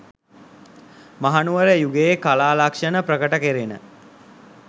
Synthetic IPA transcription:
maɦanuʋəɾəjuɡeːkalaːlakʂənəpɾəkəʈəkeɾenə̰

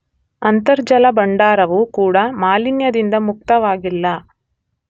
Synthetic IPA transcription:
ɐnt̪ɐɾd͡ʒɐlɐbɐɳɖaːɾɐʋukuːɽɐmaːlinjɐd̪ind̪ɐmuk̚t̪ɐʋaːɡilːɐ

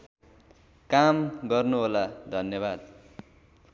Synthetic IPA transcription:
kamɡʌrnuɦolad̪ʱʌnjʌβad̪

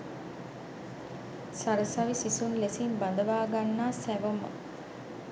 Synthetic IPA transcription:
saɾəsaʋisisunlesimband̪əʋaːɡanːaːsæʋomə̰

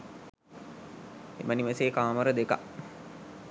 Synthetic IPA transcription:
ḛməniʋeseːkaːməɾəd̪eka̰

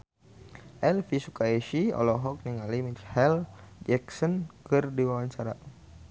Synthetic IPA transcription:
ʔɛlfisukaiʃiɔ̰lɔɦɔk̚niŋalimithɛld͡ʒɛksɔnkɨrdiwawaɲt͡ʃaɾa̰

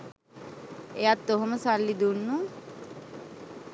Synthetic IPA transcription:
ejat̪ːoɦoməsalːid̪unːu

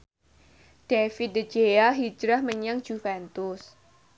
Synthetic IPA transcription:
d̥efit̪̚dəd͡ʒejaɦid͡ʒɾahməɲaŋ̥ʒ̥ufɛnt̪ʊs

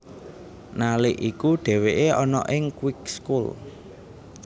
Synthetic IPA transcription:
nalɪʔikuɖ̥ɛ̤weʔeʔɔnɔ̰ʔɪŋkwɪk̚skul

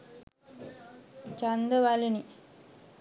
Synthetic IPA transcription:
t͡ʃand̪əʋalini

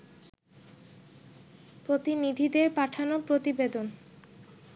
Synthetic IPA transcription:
pɾot̪inid̪ʱid̪eɾpaʈʰanopɾot̪ibed̪on

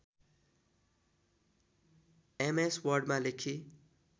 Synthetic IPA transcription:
emeswʌrɖmalekʰi

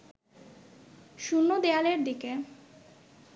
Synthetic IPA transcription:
ʃunːod̪ealeɾd̪ike

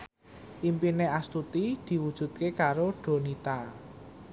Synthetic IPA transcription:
ʔimpineʔast̪ut̪id̪̥i̤wud̥ʒ̥ṳd̪̚kekaɾoɖ̥o̤nit̪a

